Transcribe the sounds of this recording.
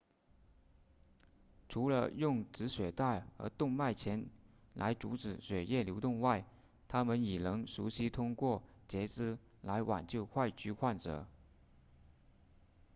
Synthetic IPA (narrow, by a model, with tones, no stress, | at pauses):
ʈ͡ʂʰu˧˥lə̰˧jʊ˥˩˧ŋʈ͡ʂɻ̩˧˥ɕɥɛ˨˩t̪a˥˩ɪə̰˧˥t̪ʊ˥˧ŋma˥˩ɪt͡ɕʰjɛ˧˥nla˧˥ɪʈ͡ʂṵ˧˥ʈ͡ʂɻ̩˨˩ɕɥɛ˨˩jɛ˥˩ljo˧˥ʊt̪ʊ˥˧ŋwa˥˩ɪ | t̪ʰa˥mə˨ni˨˩nɤ˧˥ŋʂu˧˥ɕi˥t̪ʰʊ˥ŋkwɔ˥˩t͡ɕjɛ˧˥t͡sɻ̩˥ | la˧˥ɪwa̰˨˩nt͡ɕjo˥˧ʊxwa˥˧ɪt͡ɕy˧˥xwa˥˩nʈ͡ʂɤ̰˨˩˦